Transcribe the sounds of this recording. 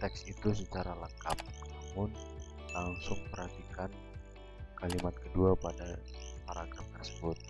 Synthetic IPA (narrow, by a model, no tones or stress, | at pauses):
t̪ɛksit̪usət͡ʃaɾaləŋka̰p̚namʊn | laŋsʊŋmərakikan | kalimat̪̚kəduapada | paɾaɡɾamt̪ərsəbʊt̪̚